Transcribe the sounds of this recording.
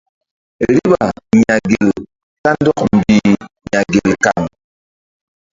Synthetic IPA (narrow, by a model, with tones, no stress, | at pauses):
e˨ɾi˦ba˨ɲa˨ɡe˨l | ta˦n˦dɔ˦k̚m̩˨bi˦ɲa˨ɡe˨lka˨ŋ